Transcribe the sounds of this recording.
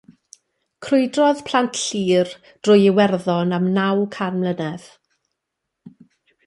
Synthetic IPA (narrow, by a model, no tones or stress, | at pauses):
kʰrʊɨdrɔðpʰl̥antʰɬiːr | d̥rʊjɪwɛrðɔnamnawkʰanmlˠənɛð̥